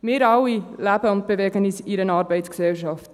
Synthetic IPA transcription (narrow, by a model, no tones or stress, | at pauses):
meɾɑwilæbəʊnt̚b̥əveɡənisiɾənɑːrbəjtsksɛlʃɑft